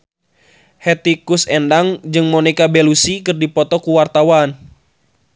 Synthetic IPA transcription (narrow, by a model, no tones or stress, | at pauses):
hɛt̪ikusɛndaŋd͡ʒɨŋmɔnikabelusikɨrdipɔt̪ɔkuwart̪awan